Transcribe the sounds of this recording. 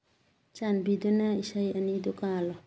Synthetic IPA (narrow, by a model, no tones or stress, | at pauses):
t͡ʃanbidunaisajanid̪ukalɔ